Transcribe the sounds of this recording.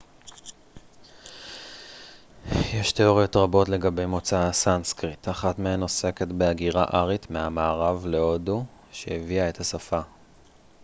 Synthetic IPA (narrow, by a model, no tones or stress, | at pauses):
jeʃt̪e̞o̞ʁjo̞tʁabo̞tle̞ɡabe̞jmo̞t͡saasanskʁit̪ʰaχatmeɦeno̞se̞ke̞tbeaɡiʁaʔaʁit̪meamaːʁavle̞o̞du | ʃeeviae̞thasafa